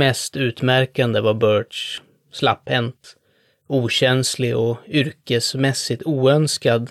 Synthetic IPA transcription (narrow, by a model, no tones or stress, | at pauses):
mɛst̪ʉ̟ːt̪mæɾkand̪əvaɾbœːɖʂ | sla̰phɛnt̪ | uːɕɛnslɪɔʏɾkəsmɛsːɪt̪ʰuːœnskad̪